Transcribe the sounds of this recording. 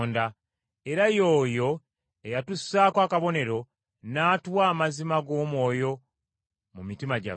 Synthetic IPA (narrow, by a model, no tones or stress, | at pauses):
nda | e̞ɾajo̞ːjo̞ | ejatusːaːkwaːkaβo̞ne̞ɾo̞ | naːtwaːmazimaɡo̞ːmwo̞ːjo̞ | mumitimaɟa̰